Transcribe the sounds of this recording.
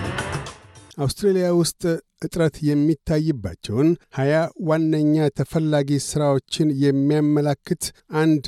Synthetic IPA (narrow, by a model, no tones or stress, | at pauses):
ʔawst̪ɾelijawʊst̪ʼʔɨt̪ʼɾət̪jɛmːit̪ʰːajːɨbːat͡ʃːɛwnhajawanːəɲːat̪ʰəfəlːaɡisɨɾawo̞t͡ʃːɪnjɛmːijamːəlakːɨt̪ʔand̪